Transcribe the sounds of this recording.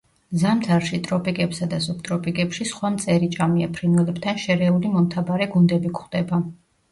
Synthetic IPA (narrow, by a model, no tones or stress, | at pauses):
zamt̪ʰaɾʃit̪ʼɾɔpʼikʼɛpsad̪asup̚ʰt̪ʼɾɔpʼikʼɛpʃisχwamt̪sʼɛɾit͡ʃʼamiapʰɾinɛlɛbt̪ʰanʃɛɾɛulimɔmt̪ʰabaɾɛɡund̪ɛbikχwd̪̥ɛba